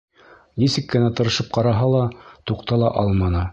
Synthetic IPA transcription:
nisɘ̆kːɘ̆næt̪ɤ̆ɾɤ̆ʃɤp̚qɑɾɑɦɑlˠɑt̪uqt̪ɑlˠɑʔɑlˠmɑnɤ

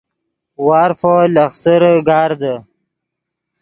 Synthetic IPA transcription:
wɑːɾfolaxsəɾɡɑːɾd̪ə

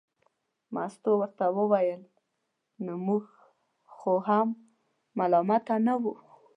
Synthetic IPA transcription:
ma̰st̪owəɾt̪awəwajəl | nomuɡ | xoɦamː | alɑmat̪anawu

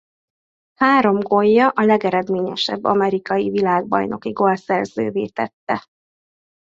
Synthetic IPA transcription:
haːɾo̞mɡo̞jːɒʔɒlɛɡɛɾɛd̪meːɲɛʃɛ̰bːɒ̰mɛɾikɒjivilaːɡ̚bɒ̰jno̞kiɡolsɛrzø̰ːveːt̪ɛt̪ːɛ

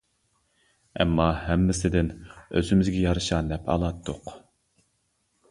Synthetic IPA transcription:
ɛ̰mːɑɦɛmːɪsɪd̪ɪnøzymɪzɡʲɛjɑɾɨʃɑnɛpʰɑ̰lˠɑt̪ʰːoq

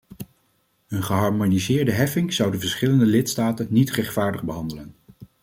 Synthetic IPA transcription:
ənχəɦɑɹmonizɪːɹdəɦɛfɪŋz̥ʌwdəvəɹsχɪləndəlɪtstaːtənːitrɛχtfaːɹdəχbəɦɑndələn

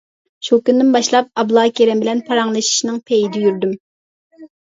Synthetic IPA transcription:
ʃukʲynd̪ɪnbɑʃlˠɑp̚ɑblˠɑːkʲʰeɾɛmbɪlɛnpʰɑɾɑŋlˠɨʃi̥ʃnɨŋpʰejid̪ɪjyɾd̪ym

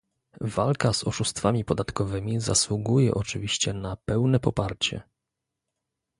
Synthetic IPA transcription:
valkazɔʂust̪famʲipɔd̪at̪kɔvɘmʲiza̰swuɡujɛ̰ʔɔt͡ʂɘvʲiɕt͡ɕɛnapɛwnɛpɔpaɾt͡ɕɛ̰

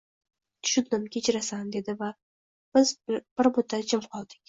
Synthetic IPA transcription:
ʃʊd̪nɪmkʲʰet͡ʃʰɪɾasand̪e̞d̪ɪva | b̥ɪzb̥ɪɾbʊt̪ʰːat͡ʃʰɪmqʰɒlˠd̪ɪkʲ

